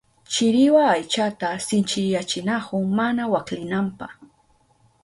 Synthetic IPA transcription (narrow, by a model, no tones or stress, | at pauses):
t͡ʃɪɾɪwaːjt͡ʃat̪asɪnt͡ʃɪjat͡ʃɪnakʊmanawaklɪnampɑχ